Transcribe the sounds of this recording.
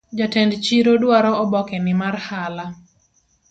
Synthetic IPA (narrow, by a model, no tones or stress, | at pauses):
d͡ʒatɛndt͡ʃiɾɔdwaɾɔɔbɔkɛnɪmarhala